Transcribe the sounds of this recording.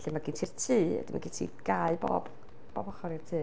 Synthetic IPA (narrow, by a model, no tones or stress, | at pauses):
ɬimaɡiːntʰirtʰɨːɛ̰dɪma̰ɡitʰḭːɡ̥ajɨbo̰ːb | b̥ɔːbɔχɔɾirtʰɨː